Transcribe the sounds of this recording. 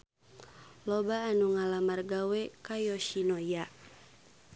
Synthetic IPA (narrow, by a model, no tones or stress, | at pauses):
lɔbaːnuŋalamarɡawɛkajɔʃinɔja